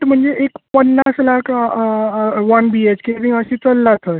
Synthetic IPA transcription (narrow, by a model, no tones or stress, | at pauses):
ʈm̤əɳd͡zeʔekpənːaslakʰ | ʋanbiet͡ɕkeɾiŋɡəsĩt͡səlːat̪ʰəj